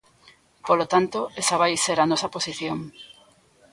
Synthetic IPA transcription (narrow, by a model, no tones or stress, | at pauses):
polot̪ant̪oesɐβajseɾanɔsɐposiθjoŋ